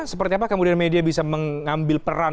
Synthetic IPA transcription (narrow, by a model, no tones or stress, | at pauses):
səpərt̪iapakəmudianmediabisaməŋambɪlpəra